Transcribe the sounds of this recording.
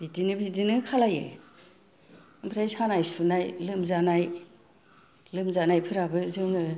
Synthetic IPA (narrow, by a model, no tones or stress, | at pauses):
bidinɯbidinɯkʰalajḛ | ɯmpʰɾajsanajsunajlɯmzanaj | lɯmzanajpʰɯɾabɯzɯŋɯ